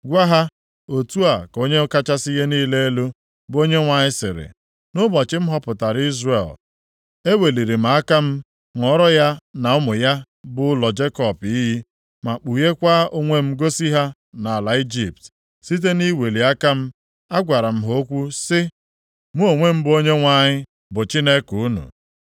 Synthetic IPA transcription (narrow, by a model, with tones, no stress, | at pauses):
ɡʷa˦ɦa˦ | o˨tu˦a˨ko˦ɲe˦ka˦t͡ʃa˦sɪi˦je˦niː˦le˦e˦lo˦ | bo˦ɲe˦ŋʷa˨ɲɪ˦sɪ̰˨ɾɪ̰˨ | nʊ˦bɔ˨t͡ʃɪ˦m̩˦ɦɔ˦pʊ˨ta˨ɾi˦zrḛ˨l | e˦we˨li˨ɾi˨m̩a˨a˦ka˦m̩˦ | ŋ˨ɔ˦ɾɔ˦ja˦na˨ʊ˦mʊ˨ja˦ | bʊ˦lɔ˨d͡ʒe˦kɔ˨pi˦ɦi˦ | ma˨k͡pu˨je˦kʷa˦o˦ŋʷe˦m̩˦ɡo˦si˦ɦa˦ | na˨a˨la˨i˦d͡ʒi˨pt | si˦t̬e˦ni˦we˨li˨a˦ka˦m̩˦ | a˦ɡʷa˨ɾa˨m̩˦ɦo˦kʷu˦sɪ˦ | mu˦o˨ŋʷe˦m̩˦bo˦ɲe˦ŋʷa˨ɲɪ˦ | bʊ˨t͡ʃi˦ne˦ku˨u˦nṵ˨